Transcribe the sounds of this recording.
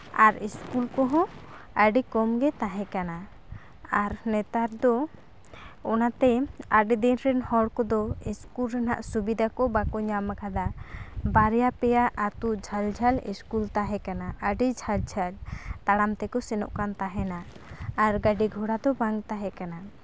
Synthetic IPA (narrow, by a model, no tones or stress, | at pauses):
aɾiskulkɔɦɔ̃ | əɖikɔmɡɛt̪aɦɛ̃kana | aɾnɛt̪aɾd̪ɔ | ɔnat̪ɛaɖid̪inɾɛnhɔɽkɔd̪ɔiskulɾɛnaʔsubid̪akɔbakɔɲamakʰad̪abaɾjapɛjaʔat̪uʔd͡ʒʱald͡ʒʱalḭskult̪aɦɛkanaʔəɖid͡ʒʱald͡ʒʱalt̪aɽamt̪ɛkɔsɛnɔ̰ʔkant̪aɦɛnaː | ɾɡaɖiɡʱɔɽad̪ɔbaŋt̪aɦɛkana